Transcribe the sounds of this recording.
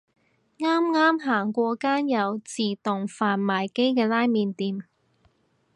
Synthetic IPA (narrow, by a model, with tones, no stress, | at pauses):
ŋaː˥mŋaː˥mɦaː˨˩ŋkʷɔː˧kaː˥njɐ˨˧wt͡siː˨t̪ʊ˨˩ŋfaː˨nmaː˨˩jke˥jkɛː˧laː˥jmiː˨˧nt̪iː˨˧m